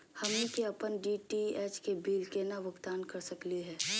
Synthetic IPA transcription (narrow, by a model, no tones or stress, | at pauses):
hɐmnikeɐpənɖiʈiɛːt͡ʃkebiːlkenaʋəɡt̪aːnkɐɾsəkliɦɛː